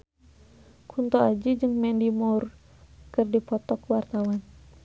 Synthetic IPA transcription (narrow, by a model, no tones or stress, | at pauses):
kʰunt̪ɔad͡ʒud͡ʒɨŋmɛndimɔr | kɨrdipɔt̪ɔkwart̪awan